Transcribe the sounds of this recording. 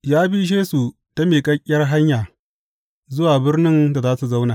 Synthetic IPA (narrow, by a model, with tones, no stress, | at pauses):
jaː˦bi˦ʒeː˦su˨ | ta˦meː˨kʼɐ˦kʲʼːɐ˦rɦa˦ɲjaː˨ | zʊ˦waː˨bɪ˦rnɪ˦nda˨zaː˦su˨za˦wnaː˨